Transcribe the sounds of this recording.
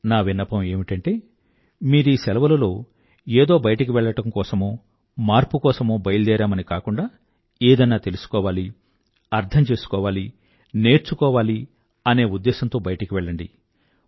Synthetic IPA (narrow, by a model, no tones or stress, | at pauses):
naːʋinːɐpɐme̞ːmiʈɐɳʈe̞ː | miːɾuiːsɛlɐʋɐlɐlo̞ː | eːd̪o̞ːbɐjɐʈɐk̬iʋɛɭːɐʈɐmkɔːsɐmoː | maːɾpukɔːsɐmoːbɐjld̪ɛːɾaːmɐnikaːkuɳɖaː | eːd̪ɐnːaːt̪e̞lusu̥kɔːʋaːli | ɐɾt̪ʰɐmt͡ʃe̞ːsu̥kɔːʋaːli | ne̞ːɾt͡ʃukɔːʋaːli | ɐne̞ːud̪ːɛːsɐnt̪oːbɐjɐʈɐkiʋɛɭːɐɳɖi